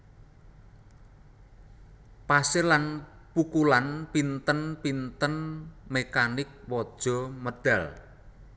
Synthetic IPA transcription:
pasɪlanpukulanpint̪ənpint̪ənmekanɪk̚wɔd̥ʒ̥ɔ̤məd̥a̤l

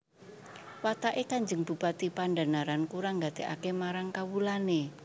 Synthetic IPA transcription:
wat̪aʔekaɲd͡ʒəŋb̥ṳpat̪ipandanaɾankuɾaŋɡad̪̥eʔa̰kemaɾaŋkawulane

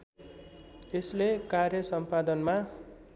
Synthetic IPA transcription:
eslekarjʌsʌmpad̪ʌnma

